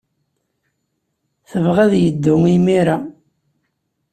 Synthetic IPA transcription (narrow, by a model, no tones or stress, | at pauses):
θəvʁæðjəd̪ːʊŋimiɾa